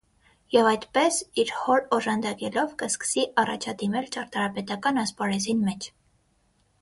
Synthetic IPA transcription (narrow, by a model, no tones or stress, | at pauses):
jɛvɑjt̪pɛsiɾhɔɾɔʒɑnd̪ɑkɛlɔvkəskə̥siʔɑrɑ̰t͡ʃʰɑd̪imɛlt͡ʃɑɾt̪ɑɾɑpɛt̪ɑkɑnɑspɑɾɛzinmɛt͡ʃʰ